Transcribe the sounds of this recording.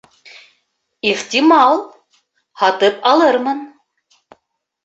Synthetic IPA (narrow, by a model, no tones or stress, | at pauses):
iχt̪ʲimɑlˠ | hɑt̪ɤpɑlˠɤ̆rmɤ̆n